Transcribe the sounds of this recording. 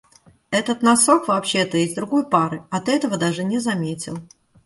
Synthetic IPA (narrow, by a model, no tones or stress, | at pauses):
ɛt̪ət̪nɐso̞kvɐːpɕːet̪əjezʲd̪ɾʊɡo̞jpaɾɨɐt̪ɛt̪əvəd̪aʐɨnʲɪzɐmʲetʲɪ̰lˠ